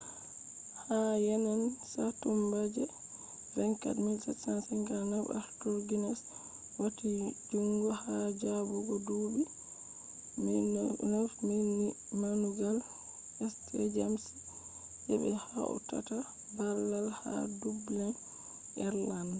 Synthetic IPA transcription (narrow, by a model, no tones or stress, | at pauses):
hajɛnansatumbad͡ʒɛ | ɾɛŋka̰dmilsasansɛŋɡanava̰ɾtɔɾɡinɛs | watid͡ʒuŋɡɔhad͡ʒabɔɡɔdubi | nafmini | manuɡal | ɛstʰɛd͡ʒamsi̥ | d͡ʒɛɓɛ̰haʔɔ̰ta̰ta | balːalha̰dublɛn | ʔɛɾlan